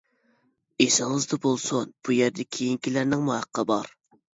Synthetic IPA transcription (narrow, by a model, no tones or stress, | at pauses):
esɪŋɨzd̪ɑbolˠsunb̥ujɛɾd̪ɛkʲʰejiŋkʲilæɾnɪŋmuhɑqʰːəbɑɾ